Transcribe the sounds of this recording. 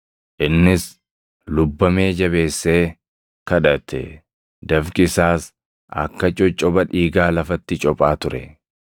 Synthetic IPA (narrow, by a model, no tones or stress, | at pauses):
ʔɪnːɪs | lʊbːɐme̞ːd͡ʒɐβe̞ːsːeː | kɐᶑɐt̪ʰɛ̰ | d̪ɐfkɪsaːs | ɐ̰kːɐt͡ʃʼɔt͡ʃʼɔbɐᶑiːɡaːlɐfɐt̪ːɪt͡ʃʼɔpʼaːt̪ʊɾɛ